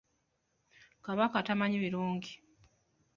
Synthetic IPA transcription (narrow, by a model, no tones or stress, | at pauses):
kaβakatamaɲiβiɾuːɲɟi